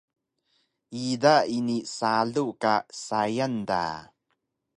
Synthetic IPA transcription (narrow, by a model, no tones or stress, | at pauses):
idainisaɮukasajand̪a̰